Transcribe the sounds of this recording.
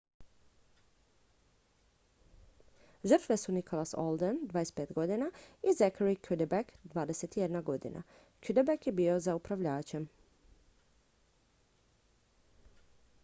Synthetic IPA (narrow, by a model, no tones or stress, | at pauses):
ʒər̩t̪ʋe̞sunikʰo̞laso̰lˠd̪end̪ʋaːjespeːt̪ɡo̞d̪inaizekʰaɾikʰud̪ebakd̪ʋaːd̪e̞se̞t̪ijed̪naɡo̞d̪ḭna̰ | kyd̪ebakjebio̞zaupɾaʋʎaːt͡ɕe̞m